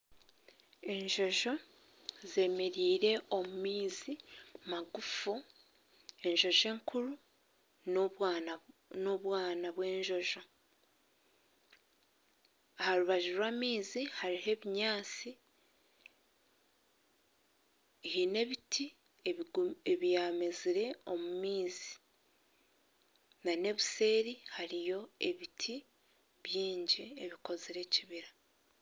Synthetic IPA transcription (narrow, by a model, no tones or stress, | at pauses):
e̞ɲʒo̞ʒo̞ | ze̞me̞ɾiːɾe̞o̞mumiːzimaɡufu | e̞ɲʒo̞ʒe̞ːŋkuɾu | noβwaːnaβwe̞ːɲʒo̞ʒo̞ | haɾuβaʒiɾwaːmiːzihaɾiɦe̞βiɲaːt͡si | hine̞βitʰi | eeβijaːme̞ziɾe̞o̞mumiːzi̥ | nane̞βise̞ːɾihaɾijo̞e̞βitʰi | βjiːɲɟieβiko̞ziɾe̞ciβiɾa